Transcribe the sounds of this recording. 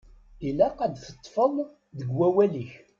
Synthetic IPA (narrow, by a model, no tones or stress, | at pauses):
ilæqæd̪θə̥t̪ˤːfəðˤ | ðəɡwæwæliç